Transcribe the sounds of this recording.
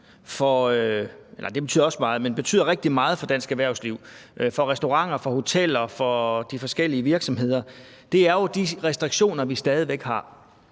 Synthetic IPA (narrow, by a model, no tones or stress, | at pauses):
fɒ̽øelʔɐd̥e̝b̥e̝yð̰ˠɒ̽smɑ̈ːð̩ˠmenb̥e̝t͡sʰy̰ːðˠɐʁeɡ̥̚d̥imɑ̈ːð̞̩ˠfɒ̽d̥æn̰sɡ̥æʋæɐʊsliʊ̰ʔfɒ̽ʁɛsd̥o̝ʁɑ̈ŋ̰ɐfɒ̽ho̝t͡sʰel̰ɐfɒ̽d̥ifɒ̽sɡ̥el̰iəʋiɐɡ̥sɒ̽mɦe̝ð̰ˠɐ | d̥e̝æɐjod̥iʁɛsd̥ʁiɡ̥ɕo̝̰ːnɐʋisd̥ɛːð̞ˠiʋeɡ̥hɑ̈